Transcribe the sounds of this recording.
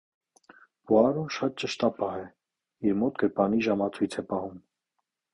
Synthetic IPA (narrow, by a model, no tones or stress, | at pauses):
buɑɾɔʃɑt̪̚t͡ʃəʃt̪ɑpɑhɛ | iɾmɔt̪ɡəɾpɑniʒɑmɑt͡sʰujt͡sʰɛpɑhum